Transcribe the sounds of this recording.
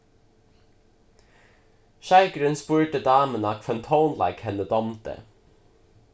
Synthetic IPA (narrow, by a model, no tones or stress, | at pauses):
ʃæɪɡɾʏnspʉːʈəd̪ɑːmənɑkʰfɛnt̪ʰoʊnlɑ̰ɪkhɛnəd̪ɔmt̪ə̰